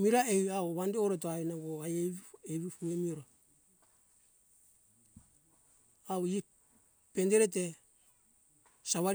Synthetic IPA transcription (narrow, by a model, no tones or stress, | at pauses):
miɾaeaoβandeoɾot̬oaenaɡoajeeβifuŋemiɾa | awi | pendeɾet̬e | saβaɾ